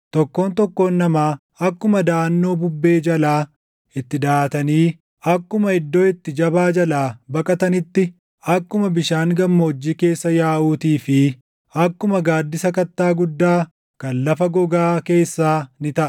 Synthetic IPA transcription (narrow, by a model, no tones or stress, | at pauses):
t̪ɔkːo̞ːnt̪ɔkːo̞ːnːɐmaː | ɐkːʊmɐd̪aːnːo̞ːbʊbːe̞ːd͡ʒɐlaː | ɪt̪ːɪd̪aːt̪ɐniː | ʔɐkːʊmɐɪd̪ːo̞ːɪt̪ːɪd͡ʒɐbaːd͡ʒɐlaːbɐkʼɐt̪ɐnɪt̪ːɪ | ɐkːʊmɐbɪʃaːŋɡɐmːɐːd͡ʒːiːke̞ːsːɐjaːʔuːt̪iːfɪ | ɐkːʊmɐɡaːd̪ːɪsɐkɐt̪ːaːɡʊd̪ːaː | kɐnlɐfɐɡɔɡaːke̞ːsːaːnɪt̪ɐʔɐ̥